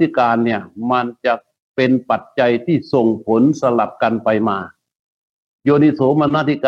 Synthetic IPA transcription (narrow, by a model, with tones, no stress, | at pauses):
i˦˥˩kaː˧nːi˥˩ɐma˧nt͡ɕa˨˩ | pe˧npa˨˩t̪̚t͡ɕa˧jt̪ʰiː˥˩so˨˩ŋpʰo˩˦nsa˧la˨˩p̚ka˧npa˧jmaː˧ | joː˧ni˧˥soː˩˦ma˧nːaː˥˩t̪ʰi˦˥˩kː